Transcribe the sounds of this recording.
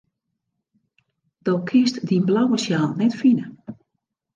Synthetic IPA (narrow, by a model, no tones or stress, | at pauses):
d̥owkʰɪstdinblawəsjaːlˠnɛtfinə